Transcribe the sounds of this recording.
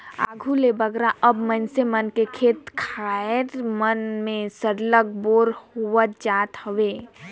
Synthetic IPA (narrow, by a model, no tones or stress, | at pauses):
aːɡʱulebəɡɾaʔəbmənsemənkekʰeːt̪kʰaeɾmənmẽsəɾlək̚boːɾhuʋət̪̚d͡ʒaːt̪həʋe